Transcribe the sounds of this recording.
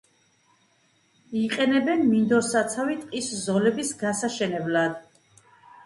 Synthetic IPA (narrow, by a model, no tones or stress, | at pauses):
iqʼɛnɛbɛnmind̪ɔɾsat̪sʰavit̪ʼqʼiszɔlɛbisɡasaʃɛnɛblad̪